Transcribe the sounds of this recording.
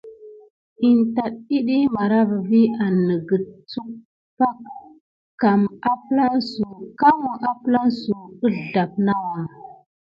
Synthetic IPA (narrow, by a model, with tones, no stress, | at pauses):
i˨nta˨ɗ̚i˦ɗi˦ma˨ɾa˦va˨vi˦a˨nːə˨ɡə˨t͡su˦k̚ | pa˦k | kːa˨ma˦pla˦nsu˨ka˦mu˨ʔa˦pla˦nsu˨ə˦ɮɮa˨p̚na˦wa˨